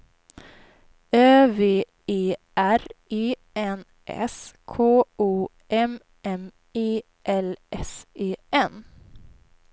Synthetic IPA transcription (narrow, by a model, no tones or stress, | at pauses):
øːveː | eːʔæɾeː | ʔɛn | ʔɛ̰skʰoːuː | ʔɛm | ʔɛm | eː | ʔɛlʔɛseːʔɛn